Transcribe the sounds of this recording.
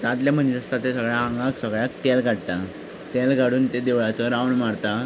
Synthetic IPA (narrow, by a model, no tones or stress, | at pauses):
t̪at̪ljam̤ənid͡zəst̪at̪ːesəɡɭjaãŋɡaksəɡɭjakt̪ɛlɡʱaɽt̪a | t̪ɛlɡaɽuːnt̪ed̪eʋɭat͡sɔɾawɳmaɾt̪a